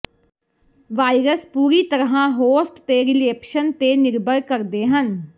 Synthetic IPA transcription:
ʋaːiɾəspuːɾiːt̪əɾɦãːɦoːsʈt̪eːɾɪleːpʃənt̪eːnɪɾbəɾkəɾd̪eːɦən

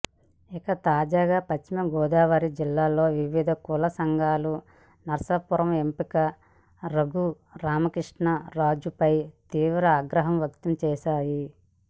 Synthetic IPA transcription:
ikɐt̪aːd͡ʒaːɡaːpɐt͡ʃt͡ʃːimɐɡɔːd̪aːʋaːɾid͡ʒilːaːlo̞ːʋiʋid̪ʱɐkulɐsɐŋɡʱaːlu | nɐɾsɐpuɾɐmempikɐ | ɾɐɡu | ɾaːmɐkɾiʂɳɐɾaːd͡ʒupɐjt̪iːʋɾɐaːɡɾɐɦɐmʋjɐkt̪ɐmt͡ʃɛːʃaːji

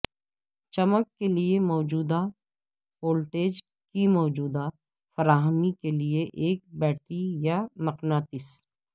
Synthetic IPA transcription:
t͡ʃɐməkːeliemɔːd͡ʒuːd̪a | hoːlʈeːd͡ʒ | kimɔːd͡ʒuːd̪a | fəɾaːɦəmikelieʔeːk̚bɛːʈijamɐqnaːt̪ɪs

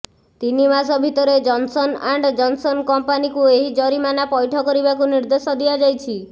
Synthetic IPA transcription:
t̪inimasɔbʱit̪ɔɾed͡ʒɔnsɔnaɳɖd͡ʒɔnsɔnkɔmpanikueɦid͡ʒɔɾimanapɔjʈʰɔkɔɾibakuniɾd̪esɔd̪iad͡ʒajt͡ʃʰi

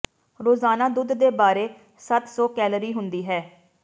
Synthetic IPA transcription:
ɾoːzaːnaːd̪ʊd̪d̪eːbaːɾeː | sət̪sɔːkɛːləɾiːɦʊnd̪iːɦɛː

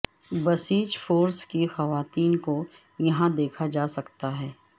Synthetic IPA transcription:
bɐsiːt͡ʃfoːɾskixɐʋaːt̪iːnko | jɐɦãd̪eːkʰad͡ʒaːsɐkt̪aɦɛː

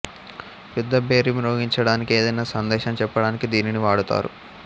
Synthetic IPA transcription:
jud̪ːɐbʱe̞ːɾimɾoːɡiɲt͡ʃɐɽaːnikeːd̪ɐjnaːsɐnd̪ɛːʃɐmt͡ʃɛpːɐɽaːnikid̪iːniniʋaːɽut̪a̰ːɾṵ

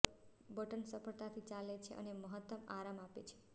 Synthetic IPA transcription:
bəʈənsəpəɭt̪at̪ʰit͡ʃalet͡ʃʰḛʔə̰neməɦət̪ːəmaɾamapḛt͡ʃʰe̥

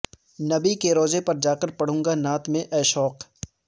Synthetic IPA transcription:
nɐbikeɾoːd͡ʒepɐɾd͡ʒaːkəɾpɐɽ̤ũːŋɡanaːt̪mẽʔɛːʃɔːq

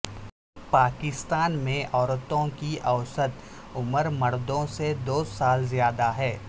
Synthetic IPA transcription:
paːkɪst̪aːnmẽʔɔːɾt̪õkiʔɐʊsət̪ | ʊməɾmɐɾd̪õsed̪oːsaːlzjaːd̪aɦɛː

